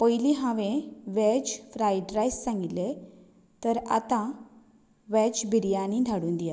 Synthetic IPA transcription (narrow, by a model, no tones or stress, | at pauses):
pəjliɦãʋẽʋɛd͡ʑfɾajɖɾajssãŋɡit̪le | t̪əɾa̰t̪ã | ʋɛd͡ʑbʱiɾjanĩːd̪ʱaɽuːnd̪ija